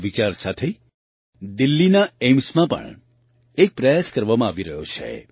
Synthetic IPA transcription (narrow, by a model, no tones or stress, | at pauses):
ʋit͡ʃaɾsat̪ʰe | d̪ilːinaemsmãpə̰ɳ | ek̚pɾəjaskəɾʋamãaʋiɾəɦjot͡ʃʰḛ